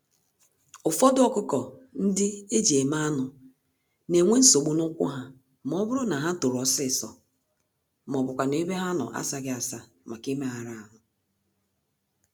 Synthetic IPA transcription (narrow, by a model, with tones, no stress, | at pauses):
ʊ˨fɔ˦dʊ˦ɔ˦kʊ˦kɔ˨n̩˦dɪ˦e˦d͡ʒe˨ma˦nʊ˨ | ne˨ŋʷe˦n̩˦so˨ɡ͡bu˨nʊ˦kʷʊ̰˦ɦa˨ | mɔ˦bʊ˦ɾʊ˦na˨ɦa˦to˨ɾɔ˨sɪ˦˨sɔ˨ | m˨ɔ˨bʊ˨kʷa˨ne˦be˦ɦa˦nʊ̰˨ʔa̰˦sa˦ɡɪ˦a˨sa˦ | ma˨ki˦me˦ɦa˨ɾa˦a˨nʊ˨